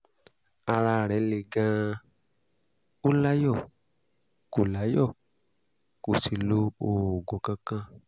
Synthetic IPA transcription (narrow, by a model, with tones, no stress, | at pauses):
a˧ɾa˧˨ɾɛ˨˦le˨ɡã˦˧˦ | o˦la˦jɔ˦˨ | ko˨la˨˦jɔ˦˨ | ko˨si˨lo˧oː˨ɡõ˨kã˧kã˧